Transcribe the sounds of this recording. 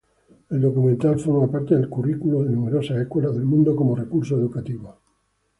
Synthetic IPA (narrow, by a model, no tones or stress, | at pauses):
eld̪o̞kumẽnt̪alfoɾmapaɾt̪eðelkurikuloðenumeɾosaekwelaðe̞lmũnd̪okomorekuɾs̬oeðukat̪iβo